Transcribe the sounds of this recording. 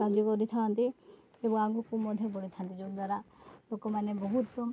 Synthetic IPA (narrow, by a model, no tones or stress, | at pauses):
ad͡ʒokɔɾit̪ʰant̪i | ebɔŋaŋɡukũmɔd̪ʱjɔbɔɽit̪ʰant̪id͡ʒod̪waɾalokomanebɔɦut̪ːɔ